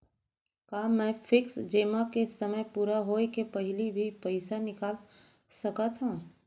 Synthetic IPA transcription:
kaːmɛ̃ːfʰɪksd͡ʒeːmakesɐməjpuːɾaɦoːekepɐɦɪlibʱipɐɪsanɪkaːl | sɐkat̪ɦã

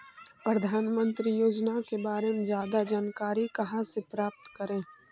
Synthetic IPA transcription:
pɾəd̪ʱaːnmə̃nt̪ɾijoːd͡ʒnakebaːɾemezjaːd̪ad͡ʒaːnkaːɾikɐɦãsepɾaːp̚t̪kəɾẽː

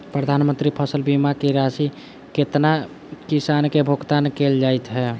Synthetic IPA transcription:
pɾəd̪ʱanmənt̪ɾipʰəsəlbimakiɾasi | ket̪na | kisankebʱoɡt̪ankeld͡ʒajt̪ɦɛ

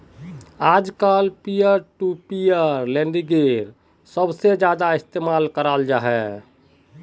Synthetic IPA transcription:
aːd͡ʒkalpijəɾʈupijəɾlẽɳɖiɡeɾ | səbsed͡ʒjaːd̪aɪst̪eːmaːlkəɾald͡ʒaːɦɛ

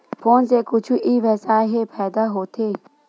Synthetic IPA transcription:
fʰoːnseːkʊt͡ʃʰuʔiːʋɛsaːɦeːpʰɛːd̪aːɦoːt̪ʰeː

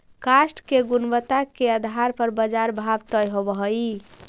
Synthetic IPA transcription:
kasʈkeɡunbət̪akeəd̪ʱaɾpəɾbəd͡ʒaɾbʱabt̪əjɦobəɦəj

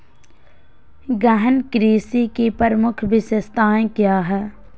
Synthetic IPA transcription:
ɡɛɦənkɾiːsikipəɾəmʊkʰbɪsəst̪ʰaːẽkjaːɦɛː

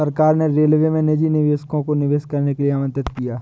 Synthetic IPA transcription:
ɐɾkaːɾneɾeːlʋemẽned͡ʒinɪʋeːʃkõkonɪʋeːskɐɾnekelieaːmə̃nt̪ɪt̪̚kijaː

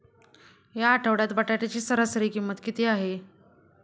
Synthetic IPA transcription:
jaːʈʰəʋɽjat̪baʈaʈ̪at͡ɕiːsəɾəsəɾiːkimːət̪kit̪eːaɦe

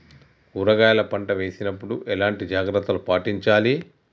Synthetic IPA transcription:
uɾɐɡaːjɐlɐpɐɳʈɐʋe̞ːsinɐpːuɽuʔɛlaːɳʈid͡ʒaːɡɾɐt̪ːɐlupaːʈiɲt͡ʃaːli

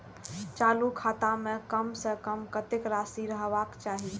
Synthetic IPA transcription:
t͡ʃaːlukʰaːt̪amẽkəmsəkəmkət̪ekɾasiɾəɦʋakt͡ʃaːɦi

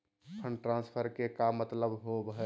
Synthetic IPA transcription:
pʰənʈɾãnspʰəɾkekamːət̪ləbɦobɦɛ

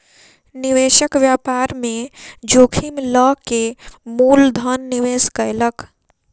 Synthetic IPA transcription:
niʋeːʃəkʋjaːpaːɾmẽd͡ʒoːkʰimləkemuːld̪ʱənːiʋeːskəjlək

